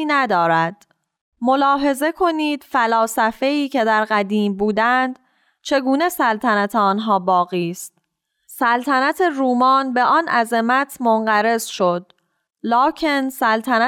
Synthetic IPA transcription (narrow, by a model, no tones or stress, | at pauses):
næd̪ɒːɾæd̪̥ | mo̞lɒːɦe̞ze̞kʰo̞niːd̪̥fælɒːsæfe̞iːcʰe̞d̪æɾɢæd̪iːmbuːd̪ænd̪ | t͡ʃʰe̞ɡuːne̞sælt̪ʰænæt̪ʰeɒːnɦɒːbɒːɣiːst̪̚ | sælt̪ʰænæt̪ʰe̞ɾuːmɒːnbe̞ʔɒːnʔæzemæt̪ʰmonɢæɾe̞zʃo̞d̪̥ | lɒːcʰe̞nsælt̪ʰænæ